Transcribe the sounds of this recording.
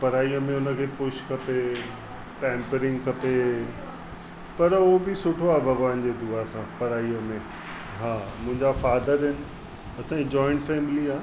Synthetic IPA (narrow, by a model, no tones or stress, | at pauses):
pɐɾaːiəmẽʊnə̆kʰeːpʊʃkʰɐpe | pɛ̃ːmpəɾɪ̃ŋɡkʰɐpe | pɐɾobɪsʊʈʰoaːbɐɡʋaːnd͡ʑed̪uasãpɐɾaːiəmẽ | ɦaːmʊ̃ɦɪ̃ɲd͡ʑafaːd̪əɾɦɪnɪ̆ | ɐsãd͡ʑɔːɪ̃ɳʈfɛːmɪliaː